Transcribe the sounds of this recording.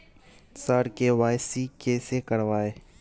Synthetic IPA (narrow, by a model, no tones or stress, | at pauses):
səɾkeʋaːjsikeːsekəɽʋaːeː